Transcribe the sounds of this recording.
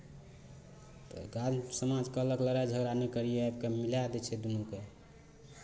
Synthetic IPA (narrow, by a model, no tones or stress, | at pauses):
t̪ɔ̰ɡad͡ʒsəmad͡ʒkələkləɾajd͡ʒʱəɡɾanekəɾijeabkemilad̪ɛt͡ʃʰɛd̪unuke